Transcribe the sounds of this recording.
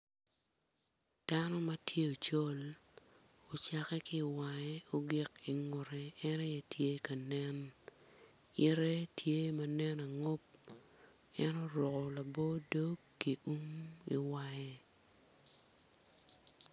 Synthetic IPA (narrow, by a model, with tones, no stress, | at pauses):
d̥a˦nɔ˦ma˦tʰje˦o˨t͡ʃo˦l | o˨t͡ʃa˨kɛ˦kɪː˦˨wa˨e˦o˦ɡɪ˦ki˨ŋʊ˨ɾɛː˨˦ne˦jɛ˦tje˦ka˨nɛ˦n | ɪ˦ɾɛ˦tje˦ma˦nɛ˦na˨ŋo˦p̚ | ɛ˦no˦ɾɔ˨kɔ˨la˨bo˦do˦kːi˨ʔu˦ŋḭ˨wa˦˨je˦